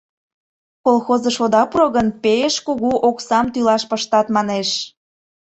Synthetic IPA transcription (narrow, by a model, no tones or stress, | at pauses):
kolxozə̆ʃod̪ɑpuɾoɣənpeeʃkuɣuʔoksɑmt̪ylɑʃpəʃt̪ɑt̪mɑneʃ